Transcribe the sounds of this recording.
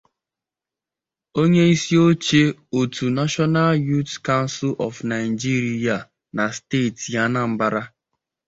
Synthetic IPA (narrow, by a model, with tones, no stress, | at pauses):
o˦ɲe˦i˦si˦o˦t͡ʃe˦o˨tu˨na˦ʃɔ˦na˦lju˦tka˦n˦sɪ˦lʔɔ̰˨fna˨ɪ˨d͡ʒi˦ɾi˦ja˨ | na˨steː˦˨tja˦na˦m̩˦ba˦ɾa˦